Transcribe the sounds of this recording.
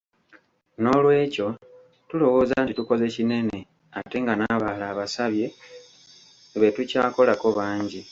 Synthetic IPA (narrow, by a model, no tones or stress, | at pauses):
no̞lwe̞ːco̞ | tulo̞wo̞ːzantituko̞ze̞cine̞ne̞ | ate̞ŋɡanaβaːlaːβasaβje̞ | βe̞tucaːko̞lako̞βaːɲɟi